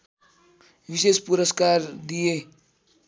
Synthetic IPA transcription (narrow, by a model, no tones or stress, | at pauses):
ʋisespuɾəskaɾd̪ije